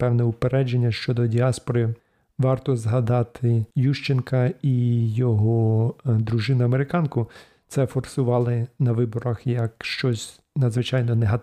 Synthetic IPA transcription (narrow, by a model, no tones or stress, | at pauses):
pɛwnɛʊpeɾɛd͡ʒenʲːɐʃt͡ʃɔd̪ɔdʲiɑspɔɾɪ | ʋɑrt̪ɔzɦɐd̪ɑt̪ʰɪjuʃt͡ʃɪnkɐijɔɦɔd̪ɾʊʒɪnʊɐmeɾɪkɑnkʊ | t̪sɛfɔrsʊʋɑlˠɪnɐʋɪbɔɾɐxjɐkʃt͡ʃɔsʲ | nɐd̪zʋɪt͡ʃɑjnɔneɦɐ